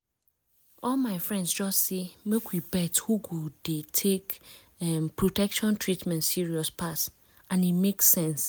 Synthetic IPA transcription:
ɔlmaɪfɹɛ̃ndsd͡ʒɔstsemekwibɛthuɡudetʰek | ɛmpʰɹotʰɛkʃɔ̃ntʰɹitmɛ̃ntsiɹiɔspʰas | ãnimeksɛ̃ns

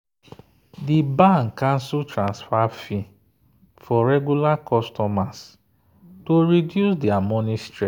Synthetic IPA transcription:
dibãŋkːãnsutɾãnsfafi | fɔɾɛɡjulakʰɔstɔmas | toɹidjusdɛamɔniste

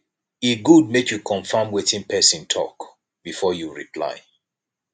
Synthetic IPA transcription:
iɡud̚mekjukʰɔ̃ɱfãmwetĩnpʰɛsĩntʰɔ̰k | b̥ifɔjuɹḭpʰla̰ɪ

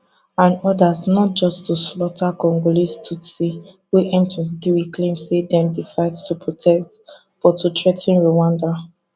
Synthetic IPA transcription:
ãnɔdasnɔt̚d͡ʒɔstuslɔtʰakɔ̃ŋɡolistʰusi | weʔɛ̃mtĩns̬diwiklẽmsedɛ̃mdefaɪttupʰɹɔtʰɛkt | fɔtʰutʰɹɛtĩnɹowãnda

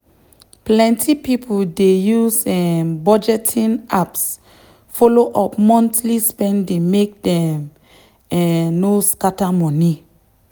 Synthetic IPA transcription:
plɛ̃ntʰipipʰudejusɛmbɔd͡ʒɛtʰĩnaps | fɔloʔɔpmɔ̃ntlispɛ̃ndemek̚dɛ̃m | ɛnoskatamɔni

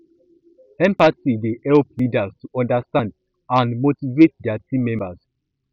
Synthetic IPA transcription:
ɛ̃mpasidehɛlplidastuʔɔ̃ndastãnd | ãnmotivet̚dɛatĩmɛ̃mbas

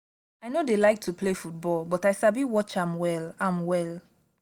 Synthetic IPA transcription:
aɪnodelaɪk̚tʰuplefut̚bɔlbɔtajsabiwɔt͡ʃãmwɛlãmwɛlˠ

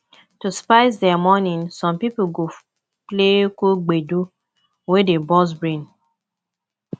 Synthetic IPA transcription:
tuspaɪsdɛamɔnĩnsɔ̃mpipoɡo | plekuɡ͡bedu | wedebɔs̬bɹĩn

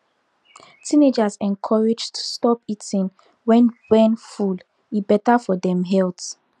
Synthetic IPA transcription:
tʰined͡ʒazɛ̃nkʰɔɹɛd͡ʒtʰu̥stɔpitĩn | wɛ̃nwɛ̃nful | ibɛtafɔdɛ̃mɦɛlt

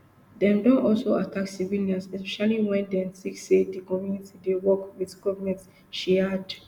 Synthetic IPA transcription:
dɛ̃mdɔ̃nʔɔlsoatʰaksiviljãnsɛspɛʃaliwɛ̃ndɛ̃msiksedikɔ̃mjunitidewɔkwiðɡɔvəmɛ̃nt | ʃiad

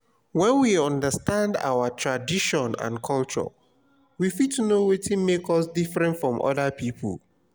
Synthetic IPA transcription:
wɛ̃nwiɔ̃ndəstãnda̰wətʰɹadiʃɔ̃nã̰nkʰɔlt͡ʃɔ̰ | wifid̚tʰunowetĩmekɔsdifɹɛ̃ntfɹɔ̃mʔɔ̰ðəpʰipʰə̰l

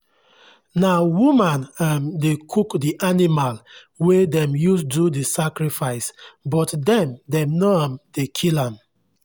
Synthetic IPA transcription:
nawumãnamdekʰukdiʔanimal | wedɛ̃mjusdudisakɹifaɪsbɔtdɛ̃mdɛ̃mnɔamd̥ekʰilãm

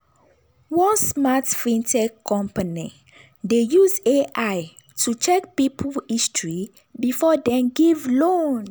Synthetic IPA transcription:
wɔ̃nsmatfĩntʰɛkkʰːɔ̃mpani | dejuzeʔaj | tʰut͡ʃɛk̚pipʰulistɹi | bifɔdɛ̃mɡivlõn

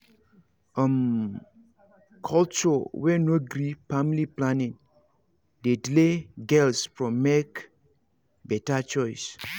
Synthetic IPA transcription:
əm | kʰɔlt͡ʃɔwɛnoɡɾifamliplanĩn | dedileɡɛlsfɹɔ̃mːek | bɛtat͡ʃɔjs

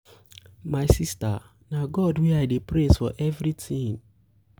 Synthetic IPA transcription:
maɪsista̰ | naɡɔdwiaɪdepɾezfɔ̰ʔɛvɾitʰĩŋ

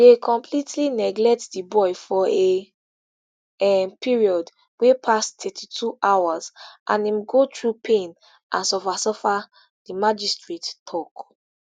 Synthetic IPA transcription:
dekʰɔ̃mpʰlitʰlinɛɡlɛk̚tdibɔjfɔe | ɛpʰiɹiɔd | wepʰastʰɛtʰitʰuʔawazʔã̰nĩmɡotɹupʰẽn | ʔã̰nsɔfasɔfa | dimad͡ʒistɹettʰɔk

